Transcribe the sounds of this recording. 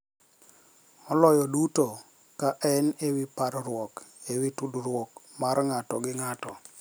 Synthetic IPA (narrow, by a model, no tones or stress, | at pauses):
ɔlɔjɔduto | kaʔɛnewipaɾɾwɔk | ewitudɾwɔk | maɾŋatɔɡɪŋatɔ